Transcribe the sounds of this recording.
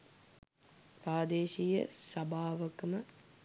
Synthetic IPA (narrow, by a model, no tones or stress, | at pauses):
pɾaːd̪eːʃijə̰sɐbʱaːʋəkəmə